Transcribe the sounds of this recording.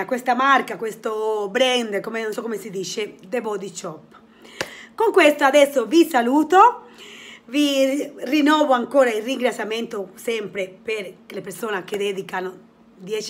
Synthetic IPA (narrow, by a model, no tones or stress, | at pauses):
akwest̪amarkakwest̪obɾɛnd̪komenonsɔkːomesid̪iːt͡ʃed̪ebɔd̪it͡ʃɔpː | koŋkwest̪oad̪ɛsːovisaluːt̪o | virinɔːvoaŋkoːɾailːiŋɡɾat̪sːjament̪osɛmpɾepeɾklepeɾsoːnak̟ed̪ɛːd̪ikano | d̪jɛt͡ʃ